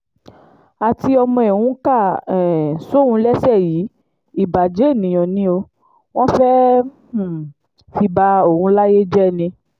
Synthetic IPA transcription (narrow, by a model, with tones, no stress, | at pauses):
a˨ti˧ɔ˧mɔ̃˧ɛ˨wũ˧˦ka˦˨ɛ˨so˦˨ũ˧lɛ˦sɛ˦˨ji˨˦ | i˦˨ba˨d͡ʒe˨˦e˦˨nĩ˨j̃ɔ̃˨nĩ˧˦o˧ | w̃ɔ̃˦fɛ˦h̩˨ | fi˧ba˧o˨ũ˧la˦je˦d͡ʒɛ˦˨nĩ˧